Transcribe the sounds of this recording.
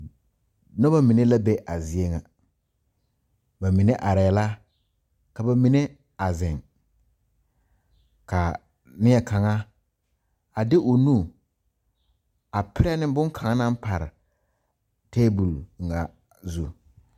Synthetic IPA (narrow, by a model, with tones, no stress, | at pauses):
nɔ˦ba˦mi˨ne˦la˦bɛ˦ʔa˨zɪ˨e˦ŋa˨ | ba˨mi˨ne˦ʔa˨ɾa˨la˦ | ka˨ba˨mi˨ne˦ | a˨zɪ˨ŋ | ka˨ | nɪ˦ɛ˨kʰa˨ŋa˦ | a˨dɪ˦ʔo˨nu˦˨ | a˨pɪ˦ɾɛ˦nɪ˦bʊ˦ŋkʰa˨ŋa˦nã˦m˦pa˨ɾɪ˨ | teː˦bu˨lŋ˨a˨ | zu˨